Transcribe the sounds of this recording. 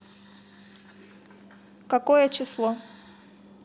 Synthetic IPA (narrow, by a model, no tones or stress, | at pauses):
kɐkojət͡ɕɪslˠo